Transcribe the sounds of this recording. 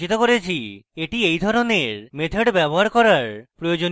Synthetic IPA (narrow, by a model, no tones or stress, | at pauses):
it̪okoɾet͡ɕʰieʈiejd̪ʱɔɾoneɾmet̪ʰeɽbɛboɦaɾkɔɾaɾpɾojod͡ʑon